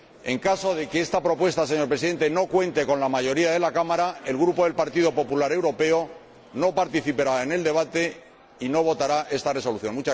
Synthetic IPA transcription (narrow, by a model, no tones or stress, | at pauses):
e̞ŋkaso̞ðe̞keest̪apɾo̞pwe̞st̪ase̞ɲo̞ɾpɾesiðe̞nt̪e̞no̞kwe̞nt̪e̞ko̞nlamaʝo̞ɾiaðe̞lakamaɾae̞lɣɾupo̞ðe̞lpaɾt̪iðo̞po̞pulaɾe̞wɾo̞pe̞o | no̞paɾt̪iθipeɾaene̞ld̪e̞βat̪e̞ | ino̞β̞o̞t̪aɾaʔe̞st̪are̞so̞luθjo̞nmut͡ʃa